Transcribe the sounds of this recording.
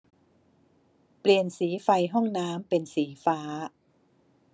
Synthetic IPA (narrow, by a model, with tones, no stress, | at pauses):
pli˨˩ənsiː˩˦fa˧jɦɔ˥˩ŋnaː˦˥mpe˧nsiː˩˦faː˦˥